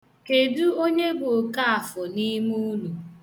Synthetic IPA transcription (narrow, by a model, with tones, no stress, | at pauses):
ke˨du˦o˦ɲe˦bʊ˨ka˦a˨fʊ˨ni˦mu˦nu˨